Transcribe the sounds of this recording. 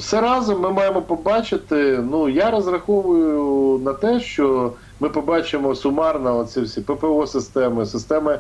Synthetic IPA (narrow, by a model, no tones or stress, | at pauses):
wsɛɾɑzɔmːɪmɑjemɔpɔbɑt͡ʃɪt̪ɪnujaɾɐzrɐxɔʋʊjʊnɐt̪ɛʃt͡ʃɔ | mɪpɔbɑt͡ʃɪmɔsʊmɑrnɐɔsʲiwsʲipɛpeɔsɪst̪ɛmɪsɪst̪ɛmɪ